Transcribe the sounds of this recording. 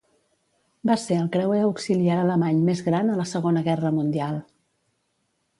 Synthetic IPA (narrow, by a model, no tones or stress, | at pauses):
baseəlˠkɾɛweəwksiliaɾələmaɲmezɣɾanələsəɣonəɣɛrəmund̪ialˠ